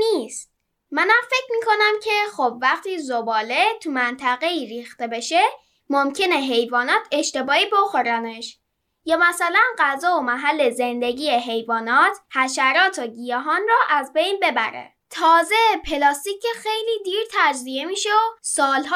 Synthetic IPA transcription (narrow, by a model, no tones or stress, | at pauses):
niːst̪̚ | mænæmfe̞cʰmiːkʰo̞næmcʰe̞xobvæχt̪ʰiːzobɒːle̞t̪ʰumænt̪ʰæɣe̞iːɾiːxt̪ebe̞ʃe̞ | momcʰe̞ne̞ɦe̞jvɒːnɒːt̪ʰe̞ʃt̪e̞bɒːiːbo̞xo̞ɾæneʃ | jɒːmæsælænɢæzɒːomæɦælːe̞ze̞nd̪e̞ɟiːjeɦe̞jvɒːnɒːt̪ʰhæʃæɾɒːt̪ʰoɟijeɦɒːnrɔːʔæzbe̞jnbe̞bæ̰ɾḛ | t̪ʰɒːze̞pʰe̞lɒːst̪icʰexe̞jliːd̪iːɾt̪ʰæd͡ʒziemiːʃeosɒːlɦː